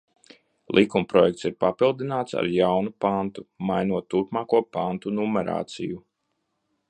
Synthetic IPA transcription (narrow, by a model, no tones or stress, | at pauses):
lˠʔikumpɾɔjɛkt̪siɾpapilˠd̪inaːt̪sa̰ɾjawnupant̪umajnuɔt̪ːuɾpmaːkuɔpant̪unumɛɾa̰ːt̪siju